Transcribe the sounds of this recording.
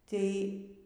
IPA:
ˈtʲɛɪ

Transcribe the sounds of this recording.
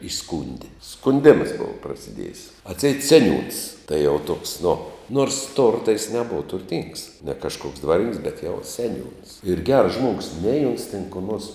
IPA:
ɪˈskuːnʲdʲɪ skʊnʲˈdʲeːmɐs ˈboːʋɐ prɐsʲɪˈdʲiɛjɪs ɐtʲˈsʲɛɪt ˈsʲæːˌnʲuːns tɐɪ jɛʊ toːks nʊ noːrs ˈtoːrtɐ jɪs nʲɛˈboːʋɐ tʊrʲˈtʲɪŋks nʲɛ kɐʃˈkoːks ˈdʋɑːrʲɪnʲɪŋks bʲɛt jɛʊ sʲɛˈnʲuːns ɪr ɡʲɛrs ˈʒmuɔɡʊs nʲɛɪ oːns tʲɛn koː noːrs

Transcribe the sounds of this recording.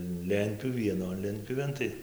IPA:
ˈlʲɛnʲtʲpʲjuːʋʲɪ ʋʲiɛˈnoːn ˈlʲɛnʲtʲpʲjuːʋʲeːn ˈtɐɪ

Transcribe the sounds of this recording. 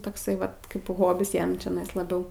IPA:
toːkˈsɐɪ ˈʋɐt ˈkɐɪp ˈɣoːbʲɪs ˈjɛm t͡ʃʲɛˈnɐɪs lˠɐˈbʲɛʊ

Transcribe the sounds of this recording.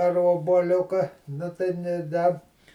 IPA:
ɐr oːbuɔˈlʲʊkɐ ˈnʊ tɐɪ nʲeː ˈdɐ

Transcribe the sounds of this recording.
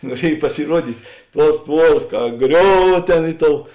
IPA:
nuɔˈrʲiɛj pɐsʲɪˈruɔdʲiːtʲ ˈtuɔs ˈtʋuɔrɐs kɐ ˈɡrʲoːw ˈtʲeːn ˈɪ ˌtoːʊ

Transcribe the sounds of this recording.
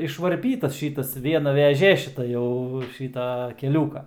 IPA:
ɪʃʋɐrʲˈpʲiːtɐs ˈʃʲiːtɐs ˈʋʲiɛnɐ ʋʲɛˈʒʲeː ʃʲɪˈtɐ jɛʊ ˈʃʲiːtɐ kʲɛˈlʲuːkɐ

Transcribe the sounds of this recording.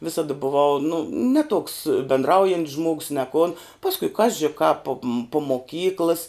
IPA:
ˈʋʲɪsɐdɐ bʊˈʋɐʊ nʊ nʲɛ tuɔks bʲɛndˈrɐʊjɛnʲtʲs ʒmoːks nʲɛ kʊn ˈpɑːskʊɪ ˈkɑːʒʲɪ kɐp poːm pʊ moːˈkʲiːklˠɨs

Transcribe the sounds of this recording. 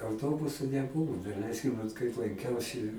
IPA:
ɐʊˈtoːbʊsʊ nʲɛˈbʊʋʊ dɐˈlʲɛɪsʲkʲɪm ʋɐt kɐɪp lˠɐŋʲˈkʲɛʊsʲɪ

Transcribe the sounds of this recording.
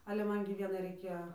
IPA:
ˈɑːlʲɛ ˈmɐn ɡʲɪ ˈʋʲiɛnɐɪ rɐɪˈkʲeːjoː

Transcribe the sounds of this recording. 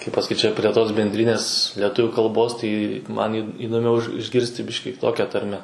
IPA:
kɐɪp pɐsɐˈkʲiːt ˈt͡ʃʲɛ pʲrʲiɛ ˈtoːs bʲɛnʲˈdʲrʲɪnʲeːs lʲɛˈtʊʋʲuː kɐlˠˈboːs tɐɪ ˈmɐn iː iːdoːˈmʲɛʊ ɪʃ ɪʒʲˈɡʲɪrʲsʲtʲɪ ˈbʲɪʃʲkʲiː kʲɪˈtoːkʲɛ ˈtɐrʲmʲɛ

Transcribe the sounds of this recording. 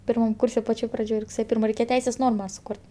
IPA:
pʲɪrˈmɐm ˈkuːrʲsʲɛ pɐˈt͡ʃʲoːj prɐˈd͡ʒʲoːj rʊkˈsʲeːjɛ ˈpʲɪrmɐ rʲɛɪˈkʲeːjɛ ˈtʲɛɪsʲeːs ˈnoːrmɐ sʊˈkʊrt

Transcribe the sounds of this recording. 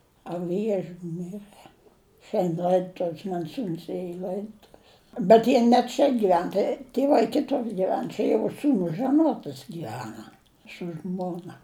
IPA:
ɐ ˈʋʲiɛʒʲʊ ˈmʲɪrɘ ˈʃʲɛnʲtʲ ˈlˠɐɪdʊtʊws mɐn ˈsuːns ˈeːjɛ ɪ ˈlˠɐɪdoːtʊws bʲɛt ˈjiɛ nʲɛ ˈt͡ʃʲɛ ɡʲɪˈʋʲɛn ˈtɐɪ tʲiɛˈʋɐɪ ˈkʲɪtʊr ɡʲɪˈʋʲɛn ˈt͡ʃʲɛ jɛʊ ˈsuːnʊs ʒɐˈnuɔtɐs ɡʲiːˈʋʲæːnɐ sʊ ˈʒmoːnɐ

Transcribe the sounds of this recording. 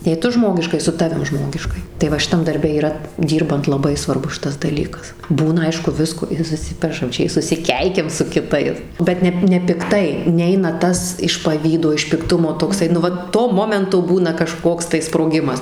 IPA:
jɛɪ ˈtʊ ˈʒmoːɡʲɪʃkɐɪ sʊ ˈtɑːʋʲɪm ˈʒmoːɡʲɪʃkɐɪ tɐɪ ˈʋɐ ʃʲɪˈtɐm dɐrʲˈbʲɛ iːˈrɐ ˈdʲiːrbɐnt lˠɐˈbɐɪ sʋɐrˈbʊs ˈʃʲɪtɐs dɐˈlʲiːkɐs ˈbuːnɐ ˈɐɪʃkʊ ˈʋʲɪskoː ɪr sʊˈsʲɪpʲɛʃɐm ˈt͡ʃʲɛ ɪ sʊsʲɪˈkʲɛɪkʲɛm sʊ kʲɪˈtɐɪs bʲɛt ˈnʲɛ nʲɛpʲɪkˈtɐɪ ˈnʲɛɪnɐ ˈtɐs ɪʃ pɐˈʋʲiːdoː ɪʃ pʲɪkˈtʊmoː toːkˈsɐɪ nʊ ˈʋɐ toː ˈmoːmʲɛntoː ˈbuːnɐ kɐˈʃkoːks tɐɪ sproːˈɡʲɪmɐs

